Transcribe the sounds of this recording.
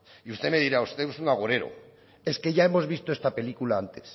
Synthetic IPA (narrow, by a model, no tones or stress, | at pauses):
iust̪e̞me̞ðiɾaust̪e̞usuŋaɣoɾe̞ɾo̰ | e̞ske̞ʝae̞mo̞zβist̪oest̪ape̞likulaant̪e̞̥s